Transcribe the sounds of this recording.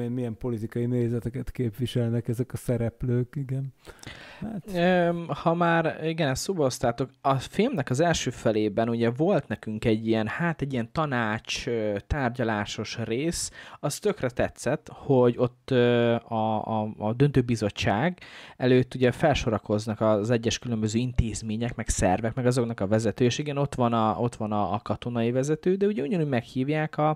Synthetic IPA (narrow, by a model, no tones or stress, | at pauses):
enmijɛmpo̞lit̪ikɒjineːzɛt̪ɛkɛt̪keːpʋiʃɛlnɛkɛzɛkɒsɛɾɛpløːkiɡɛnː | øhɒmaːriɡɛnɛst̪soːbɒɦo̞st̪aːt̪o̞kɒfilmnɛkɒzɛlʃøːfɛleːbɛnuɟɛvo̞lt̪nɛkyŋkɛɟːijɛnhaːt̪ɛɟːijɛnt̪ɒnaːt͡ʃøt̪aːrɟɒlaːʃo̞ʃreːsɒst̪ø̞krɛt̪ɛt̪sɛt̪ho̞ɟo̞t̪ːøɒ | d̪ønt̪øːbizo̞t͡ʃːaːɡɛløːt̪ːuɟɛfɛlʃo̞ɾɒko̞znɒkɒzɛɟːɛʃkylø̞mbø̞zøːint̪eːzmeːɲɛkmɛksɛ̰rvɛkmɛɡɒzo̞knɒkɒvɛzɛt̪øːeːʃiɡɛno̞t̪ʋɒnɒʔo̞t̪ʋɒnɒkɒt̪o̞nɒivɛzɛt̪øːd̪ɛuɟɛuɟɒnuːɟmɛkhiːvjaːkɒ